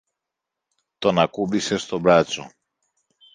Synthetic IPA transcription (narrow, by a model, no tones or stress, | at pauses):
t̪o̞nɐkubise̞st̪o̞bɾɐt͡so̞̰